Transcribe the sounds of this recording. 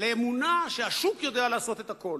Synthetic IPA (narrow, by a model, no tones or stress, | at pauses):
leːmunaʃeaʃukjo̞d̪ealaːso̞t̪e̞t̪ako̞l